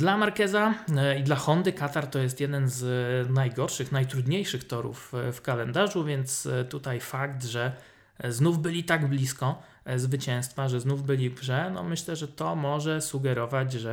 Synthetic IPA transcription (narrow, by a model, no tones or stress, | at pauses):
d̪lamaɾkɛzaid̪laxɔnd̪ɘkat̪aɾt̪ɔjɛst̪jɛd̪ɛnznajɡɔɾʂɘxnajt̪ɾud̪ɲejʂɘxt̪ɔɾṵffkalɛnd̪aʐuvʲjɛnt̪st̪ut̪ajfakt̪ʐɛ | znuvbɘlʲit̪aɡblʲiskɔ | zvɘt͡ɕɛ̃w̃st̪faʐɛznuvbɘlʲibʐɛnɔ̰mɘɕlɛʐɛt̪ɔmɔʐɛsuɡɛɾɔvad͡ʑʐɛ